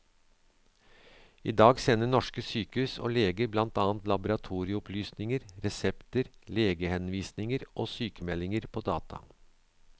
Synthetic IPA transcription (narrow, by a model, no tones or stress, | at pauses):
ḭːd̪ɑːɡsɛnːəɳɔʂkəsyːkəʉːso̰ːleːɡəblɑnt̪ɑːnt̪lɑbʊɾɑt̪ʰuːɾɪəʊpʰlyːsnɪŋəɾɾɛsɛpt̪əɾleːɡəhɛnʋiːsnɪŋəɾʔoːsyːkəmɛlːɪŋəɾpʰoːd̪ɑ̰ːt̪ʰɑ̰